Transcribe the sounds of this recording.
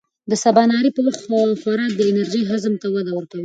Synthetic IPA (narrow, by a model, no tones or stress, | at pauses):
d̪əsabɑnɑɾipəwaxt̪faɾɑd̪əɪnaɾʒiɦazmt̪awad̪awəɾkawi